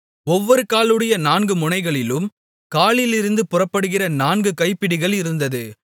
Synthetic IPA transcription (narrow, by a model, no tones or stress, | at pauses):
ɔʋːɔɾɯkaːlɯɽɐjɐnaːnɡɯmʊnɐɪɣɐɭɪlɯm | kaːɭɪlɪɾɯnd̪ɯpʊrɐpːɐɽɯɣɪrɐnaːnɡɯkɐɪpːɪɽɪɣɐɭɪɾɯnd̪ɐðɯ